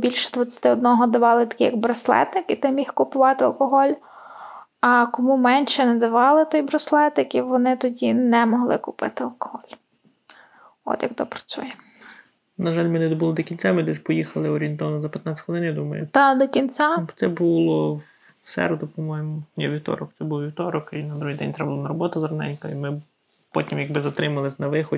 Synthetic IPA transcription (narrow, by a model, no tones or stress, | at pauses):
bʲilʲʃɛd̪ʋɐt͡sʲːɐ̥t̪ɪɔd̪̚nɔɦɔd̪ɐʋɑlˠɪt̪ɐ̥kʲɪjɐɡbɾɐslˠɛ̰t̪ɪkit̪ɪmʲixkʊpʊʋɑt̪ɪɐ̰lˠkɔɦɔlʲ | ɐkɔmumɛnʲʃɛnɛd̪ɐʋɑlˠɪt̪ɔjbɾɔslˠɛt̪ɪkiʋɔnɪt̪ɔdʲinɛmɔɦlˠɪkʊpɪ̰t̪ɪɐlˠkɔ̥ɦɔlʲ | ɔ̰t̪jɐkt̪ɔpɾɐ̥t͡sʲṵjɛ | nɐʒɑlʲmenɪd̪ɔbulˠɔd̪ɔkʲinʲt͡sʲamɪd̪ɛsʲpɔjixɐlˠɪɔɾʲient̪ɔʋɐnɔzɐpʲjɐt̪nɑt͡sʲɣɔlˠɪnjad̪umɐ̰jʊ̰t̪ɑd̪ɔkʲinʲt͡sʲat̪sɛbulˠɔ | sɛ̰ɾɔd̪ʊpɔmɔjemʊnʲɛʋʲiwt̪ɔ̰ɾɔk̚t̪ɛbulˠʋʲiwt̪ɔɾɔkinɐd̪ɾuɦijd̪ɛ̰nʲt̪ɾɛblˠnɐɾɔbɔt̪ʊzɾɔnɛ̰nʲkɔimɪ | pɔtʲimjɐɡ̚bɪzɐt̪ɾɪmɐlˠɪsʲnɐʋɪxɔ